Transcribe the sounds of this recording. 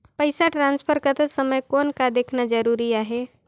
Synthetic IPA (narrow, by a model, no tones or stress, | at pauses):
pəɪsaʈɾãnspʰəɾkət̪əsəməjkonkad̪ekʰnad͡ʒəɾuɾiaɦe